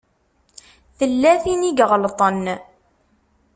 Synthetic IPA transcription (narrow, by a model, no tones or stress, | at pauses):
θəlːæθiniɡʁəlt̪ˤən